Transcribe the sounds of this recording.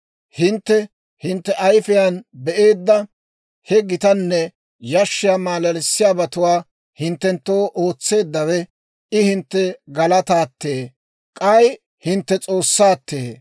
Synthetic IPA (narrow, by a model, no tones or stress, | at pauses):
hɪnt̪ːɛ | hɪnt̪ːɛʔɐjfɪjanbɛʔe̞ːd̪ːɐ | hɛɡɪt̪ɐnːɛ | jɐʃːɪjamaːlɐlɪsːɪjaːbɐt̪ʊwaː | hɪnt̪ːɛnt̪ːo̞ːʔo̞ːt͡sːe̞ːd̪ːɐwɛ | ɪhɪnt̪ːɛɡɐlɐt̪aːt̪ːeː | kʼɐj | hɪnt̪ːɛt͡sʼo̞ːsːaːt̪ːeː